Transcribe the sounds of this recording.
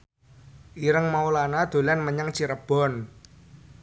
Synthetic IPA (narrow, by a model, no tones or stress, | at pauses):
ʔiɾəŋmaulanad̪̥o̤lanməɲaŋt͡ʃiɾəb̥ɔ̤n